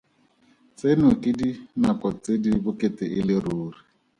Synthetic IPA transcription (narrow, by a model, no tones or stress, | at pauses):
t͡senʊkʼɪdinakɔt͡sedibʊkʼetɪʔɪlɪruːri